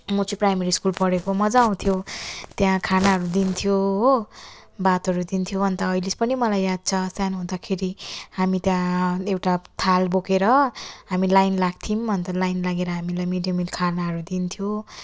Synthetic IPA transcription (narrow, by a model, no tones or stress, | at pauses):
mot͡siprajmeɾiskulpʌɽekomʌd͡zaw̃t̪ʰjot̪jãkʰanaɦʌɾud̪int̪ʰjo | bat̪ʌɾud̪int̪ʰjoʌnt̪ʌːilispʌnimʌlajːad̪̚t͡sʰʌsjanɦũd̪akʰeɾihamit̪jãewʈat̪ʰalbokeɾʌɦamilajnlaɡ̚t̪ʰimbʱʌnt̪ʌlajnlaɡeɾʌɦamilajmeɖijʌmilkʰanaɦʌɾud̪int̪ʰjo